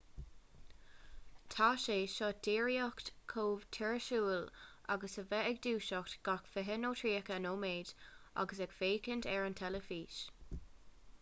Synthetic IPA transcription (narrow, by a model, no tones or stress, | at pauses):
t̪ʰaːʃeːʃɔːd̥iːɹijɔktkʰoːv̥tʰɛɹəʃuːlʔa̰ɡəsəvɛɛɡd̪uːʃɔktɡ̥akfəɦɪnoːtʰɹiːəkəənoːmeːdʔa̰ɡəs̬ɛɡfeːkʰɪntʰɛɹəntʰɛləfiːʃ